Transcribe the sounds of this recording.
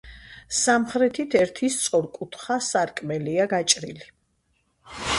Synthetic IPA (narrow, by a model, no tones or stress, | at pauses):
samχɾɛt̪ʰit̪ʰɛɾt̪ʰist̪sʼɔɾkʼut̪ʰχasaɾkʼmɛliaɡat͡ʃʼɾḭli